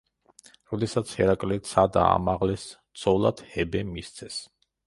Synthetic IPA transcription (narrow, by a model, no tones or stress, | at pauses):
ɾɔd̪ɛsat̪sʰhɛɾakʼlɛt̪sʰad̪a̰a̰maʁlɛst̪sʰʼɔlˠad̪̥hɛbɛmist̪sʰɛs